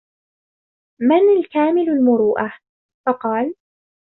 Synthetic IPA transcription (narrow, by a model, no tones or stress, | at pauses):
manalkaːmɪlalmʊɾuːʔa | fɑqɑːl